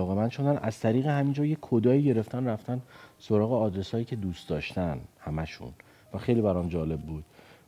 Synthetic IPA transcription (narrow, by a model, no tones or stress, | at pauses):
ɒːɣe̞mænʃod̪ænʔæz̥t̪ʰæɾiːɣehæmind͡ʒɒːjekʰːod̪ɒːiːɟe̞ɾeft̪ʰænræft̪ænso̞ɾɒːɣeɒːd̪ɾe̞sɒːjiːcʰe̞d̪uːst̪d̪ɒːʃt̪ænhæmæʃṵn | væxe̞jliːbæɾɒːmd͡ʒɒːle̞bːuːd̪̥